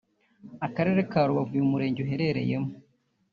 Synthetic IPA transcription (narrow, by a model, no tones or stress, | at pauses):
akaɾe̞ɾekaɾuβavujumuɾe̞ːɲɟuɦe̞ɾe̞ɾe̞̰je̞mu